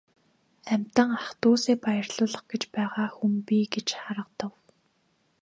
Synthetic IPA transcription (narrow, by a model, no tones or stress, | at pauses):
æmʲt̪ə̆ŋaχt̪uːseːpajə̆rɮʊːɮə̆χɡet͡ɕpæːʁaːxumpiːɡet͡ɕχaɾə̆qt̪ə̆w